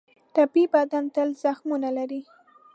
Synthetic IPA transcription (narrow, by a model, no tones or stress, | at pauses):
ʈapibad̪ant̪əlz̥axmunalaɾi